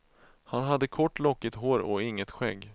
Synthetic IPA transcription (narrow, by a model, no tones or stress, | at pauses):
hanɦad̪ːəkʰɔʈːlɔkːɪt̪ɦoːɾɔɪŋːət̪ɧɛɡː